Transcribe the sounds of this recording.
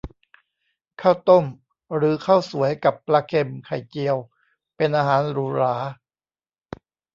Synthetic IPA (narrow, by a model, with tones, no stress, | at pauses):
kʰaː˥˩wt̪o˥˩m | ɾɯː˩˦kʰa˥˩wsu˩˦əjka˨˩pːlaː˧kʰe˧mkʰa˨˩jt͡ɕi˧əw | pe˧nʔaː˧ɦaː˩˦nɾuː˨˦ɾaː˩˦